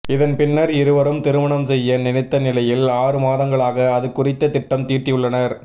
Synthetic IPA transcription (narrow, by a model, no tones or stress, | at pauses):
ɪðɐnpɪnːɐɾɪɾɯʋɐɾɯmt̪ɪɾɯmɐɳɐmsɛjːɐnɪnɪt̪ːɐnɪlɐjɪlaːɾɯmaːðɐŋɡɐɭaːɣɐːðɯkːʊrɪt̪ːɐt̪ɪʈːɐmt̪iːrʈːɪjɯɭːɐnɐɾ